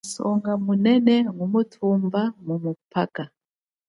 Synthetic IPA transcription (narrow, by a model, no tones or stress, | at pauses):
sɔŋɡamunɛnɛŋumutʰumbaŋumupʰaka